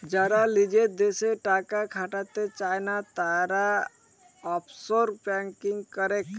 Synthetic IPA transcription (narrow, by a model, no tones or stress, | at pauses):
d͡ʒəɾalid͡ʒed̪eseʈakakʰaʈat̪et͡ʃajnat̪aɾa | ɔpʰsoɾpɛ̃ŋkɪŋɡkəɾek